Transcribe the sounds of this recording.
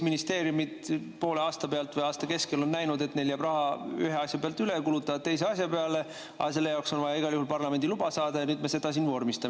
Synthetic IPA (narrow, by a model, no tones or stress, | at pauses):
minist̪e̞ːɾjumid̪̥ | po̞ːleɑːst̪ɑpeɑlt̪vɤjɑːst̪ɑke̞skelo̞nːæjnud̪e̞t̪ːneljæbrɑɦɑy̰ɦeɑsjɑpeɑlt̪ːylekulut̪ːˑɑvɑt̪t̪e̞js̬e̞ɑsjɑpe̞ɑle̞ | ɑ̰s̬e̞lːe̞jɑwkso̞nvɑjɑiɡ̥ɑljuhulpɑrlɑme̞nd̪ilubɑsɑːd̪̥ɑjɑnyːd̪mese̞d̪̥ɑs̬iːnvo̞ːrmist̪ɑ